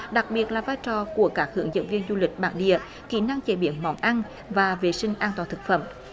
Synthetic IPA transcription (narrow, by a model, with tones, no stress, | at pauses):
ɗa˨˩k̚ɓi˨˩ət̚laː˨˩vaː˧jt͡ɕɔ˨˩ku˧˩əkaː˦˥k̚hɨ̰˧˩əŋzə̰˧˥nvi˧ənzu˧lï˨˩k̟̚ɓaː˧˩nɗḭ˧˨ə | kḭ˧˩na˧ŋt͡ɕe˧˩ɓi˧˨˦ənmɔ̰˧˦nʔa˧n | vaː˨˩ve˨˩sï˧ŋ̟ʔaː˧nt̪waː˨˩nt̪ɨ˨˩k̚fə̰˧˩m